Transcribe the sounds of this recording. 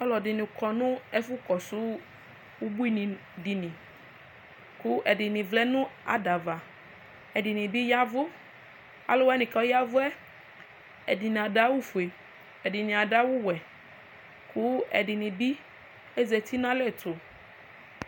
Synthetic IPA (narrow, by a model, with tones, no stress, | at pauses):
ɔ˦lɔ˨dɪ˨nĩ˨kɔ˨nʊ̃˦ɛ˦fʊ˦kɔ˨su˦ | wu˦bu˦i˦nĩ˨ | di˨nĩ˨ | ku˦ʔɛ˨dɪ˨nĩ˨vlɛ˦nʊ̃˦a̰˨da˨va˨ | ɛ˨ɖɪ˨nĩ˨bi˦ja˦vʊ˦ | a̰˦lo˦wɛ˦nĩ˨ka˨˦ja˦vʊ˦ɛ˦ | ɛ˨di˨ñ˨a˨ɖa˦wu˦fu˨e˨ | ɛ˨dɪ˨nĩ˨a˨ɖa˦wʊ˦wɛ˨ | ku˦ɛ̰˨ɖɪ˨nĩ˨bi˦ | ɛ˦zɛ˨t̪i˦n˦ã˦lɛ˦˨to˨